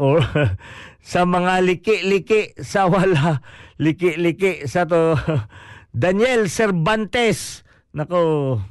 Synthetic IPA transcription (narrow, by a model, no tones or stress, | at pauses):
ʔo | sɐmɐŋalɪkɪʔlɪkɪʔsɐwalalɪkɪʔlɪkɪʔsɐt̪o | d̪ɐnjɛlsɛɾbant̪ɛs | nɐko